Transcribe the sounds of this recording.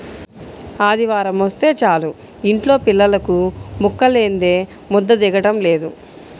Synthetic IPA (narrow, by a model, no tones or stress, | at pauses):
aːd̪iʋaːɾɐmʋɐst̪e̞ːt͡ʃaːlu | iɳʈlo̞ːpilːɐlɐkumukːɐle̞ːnd̪e̞ː | mɔd̪ːɐd̪ɛɡɐʈɐmle̞ːd̪u